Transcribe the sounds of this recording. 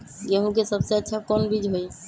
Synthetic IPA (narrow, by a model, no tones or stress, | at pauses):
ɡeɦũkesəbseətːʃʰakɔnbid͡ʒʱɦoj